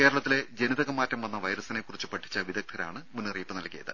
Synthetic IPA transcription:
keːɾɐɭɐt̪ːile̞d͡ʑe̞niðɐɣɐmːaːtːɐmʋɐnːɐʋɐjɾɐsɐnekːurit͡ɕːupɐʈʰːi̥t͡ɕːɐʋid̪ɐk̚t̪ʰːɐɾa̰ːɳɨmunːɨriːpːɨnɐlkːijɐðɨ

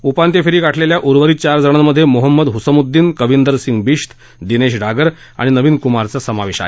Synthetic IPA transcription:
upant̪jefiɾiːkaʈʰleljaʔuɾʋəɾiːt͡ɕaɾd͡zəɽ̃amːəd̪ʱːjemoɦəmːəd̪ɦusəmud̪ːiːnkəʋind̪əɾsiŋɡbiʂt̪ʰ | d̪ineɕɖʱaɡəɾ | a̰ɽ̃inəʋiːnkumaɾt͡sasəmaʋeɕa̰ɦe

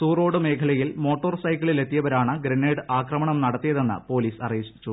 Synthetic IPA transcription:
suːro̞ːɽɨme̞ːkʰɐɭɐjilmo̞ːʈːoːrsɐjkːɐɭile̞t̪ːijɐʋɐɾaːɳɨɡɾenːeːɽɨaːkrɐmɐɳɐmnɐɽɐt̪ːijɐðe̞nːɨ̰po̞ːliːsɐreːɕi̥t͡ɕːu

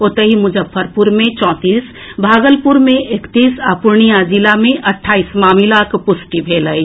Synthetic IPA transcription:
ot̪əɦimʊd͡ʒəbʰəɾpuɾmẽt͡ʃɔ̃ːt̪iːs | bʱaːɡəlpuɾmẽʔekt̪iːsapʊɾɳ̃ijad͡ʒilamẽʔɐʈʰːaːismaːmilakpʊsʈibʱeːləi

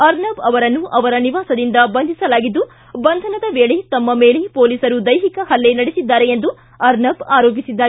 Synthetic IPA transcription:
ɐɾnɐbɐʋɐɾɐnːuʔɐʋɐɾɐniʋaːsɐd̪ind̪ɐbɐnd̪ʱisɐlaːɡid̪ːu | bɐnd̪ʱɐnɐd̪ɐʋeːɭet̪ɐmːɐme̞ːɭepoːliːsɐɾud̪ɐjɦikɐɦɐlːe̞nɐɽisid̪ːaːɾe̞end̪u | ɐɾnɐbaːɾoːp̬isid̪ːaːɾ

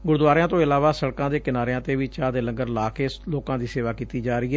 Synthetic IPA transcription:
ɡʊɾd̪ʋaːɾejãːt̪õːɪlaːʋaːsəɽkãːd̪eːkɪnaːɾeãːt̪eːʋiːt͡ʃãːd̪eːləŋɡəɾlaːkeːloːkãːd̪iːseːʋaːkiːt̪iːd͡ʒaːɾəiːɦɛː

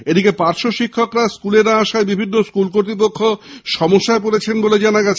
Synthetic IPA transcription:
ed̪ikepaɾʃoʃikʰːokɾaskuleɾaaʃaebibʱinːoskulk̬oɾt̪̬ɾipokʰːoʃɔmoʃːaep̬oɾet͡ɕʰenboled͡ʑanaɡɛt͡ɕʰe

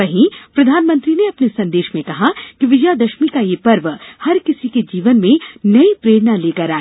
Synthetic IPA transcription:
ʋɐɦĩpɾɐd̪ʱaːnmə̃nt̪ɾineɐpnesɐ̃nd̪eːʃmẽkɐɦakiʋɪd͡ʒjad̪ɐʃmikajepɐɾʋhɐɾkɪsiked͡ʒiːʋənmẽnɐipɾeːɽnaleːkɐɾaː

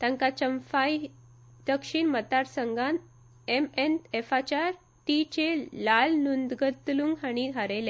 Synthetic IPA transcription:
t̪ãŋkat͡ɕəmfaj | d̪əkʂiːɳmət̪aɾsəŋɡan | emenefat͡ɕaɾ | ʈit͡ɕelalnund̪ɡət̪luŋɡɦaɽ̃id̪ʱaɾelẽ

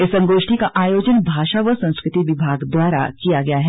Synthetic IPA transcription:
ɪsɐ̃ŋɡoːʃʈʰikaʔaːjoːd͡ʒənbʱaːʃaʋəsɐ̃skɾɪt̪iʋɪbʱaːɡd̪waːɾa̰kijaɡɐjaɦɛ

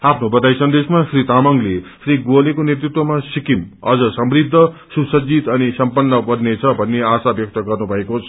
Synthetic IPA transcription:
apʰnobʌt̪ajsʌnd̪esmasrit̪amʌŋlesriɡolekonjet̪rit̪wʌmasikimʌ̰d͡zʌsʌmrid̪ʱːʌsusʌd͡zit̪ʌnisʌmpʌnːʌpʌrnet͡sʰʌbʱʌnːeasabjʌk̚t̪ʌɡʌrnubʱʌekot͡sʰ

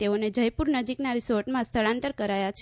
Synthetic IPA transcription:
t̪eoned͡ʒəjpuɾnəd͡ʒiknaɾisoɾʈmãst̪ʰəɭãnt̪əɾkəɾajat͡ʃʰ

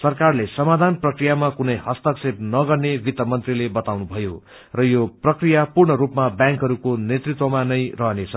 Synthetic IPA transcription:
sʌrkarlesʌmad̪ʱanprʌkrijamakunʌjɦʌst̪ʌksep̚nʌɡʌrnebit̪ʌmʌnt̪rilebʌt̪awnubʱʌjo | rʌjoprʌkrijapurɳʌɾupmabjãŋkɦʌɾukonet̪rit̪wʌmanʌjrʌɦʌnet͡sʰʌ

